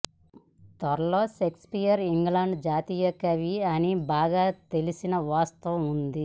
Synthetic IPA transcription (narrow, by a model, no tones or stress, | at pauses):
t̪ɐɾɐloːsekspijɐɾiŋɡlaːɳɖd͡ʒaːt̪iːjɐkɐʋiɐnibaːɡaːt̪e̞lisinɐʋaːst̪ɐʋɐmund̪i